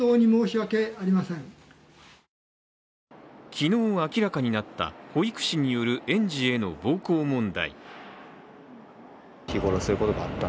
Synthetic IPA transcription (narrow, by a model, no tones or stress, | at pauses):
oːɲ̟imo̞ːɕiβake̞aɾʲimasẽŋ | kʲino̞ːkʲiɾakaɲ̟inat̪ːa̰ho̞ikɯ̟̥ɕiɲ̟ijo̞ɾɯ̟ʔẽ̞ɲ̟d͡ʑie̞no̞̰bo̞ːko̞ːmõ̞nd̪a̰ḭ | çiɡo̞ɾosɨɾɯ̟ko̞t̪o̞ɡaat̪ːa